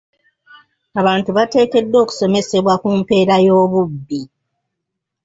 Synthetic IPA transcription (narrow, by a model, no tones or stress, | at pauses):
aβaːntuβate̞ːke̞dːo̞ːku̥so̞me̞se̞βwakumpe̞ːɾajo̞ːβubːi